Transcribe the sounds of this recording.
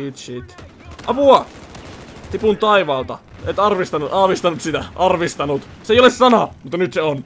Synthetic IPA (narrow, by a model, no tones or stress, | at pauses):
it̪sit̪ | ʔɑpuɑ | t̪ipunt̪ɑiʋɑːlt̪ɑ̰et̪ɑrʋist̪ɑnuɑhʋist̪ɑnut̪sit̪æʔɑrʋist̪ɑnut̪ | seijolessɑnɑmut̪ːɑnyt̪seon